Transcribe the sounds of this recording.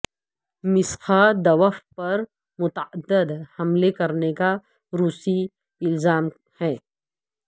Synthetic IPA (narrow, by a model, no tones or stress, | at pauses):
mɪsxʰad̪ɐʋəfpɐɾ | mʊt̪əəd̪ːəd̪hɐmlekɐɾneka | ɾuːsi | ɪlzaːm | hɛː